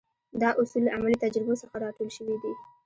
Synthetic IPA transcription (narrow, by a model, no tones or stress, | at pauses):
d̪ɑʔʊsulːaʔamalit̪ad͡ʒɾɪbosəxaɾɑʈolʃəwid̪i